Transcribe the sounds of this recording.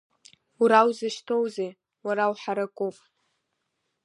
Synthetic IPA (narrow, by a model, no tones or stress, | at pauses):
uɾawzɨʃtʰowze | waɾawħaɾakʷʼupʼ